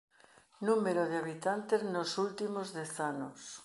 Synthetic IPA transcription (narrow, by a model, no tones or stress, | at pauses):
nũmeɾoðeaβ̞it̪ant̪eznosult̪imozðeθanos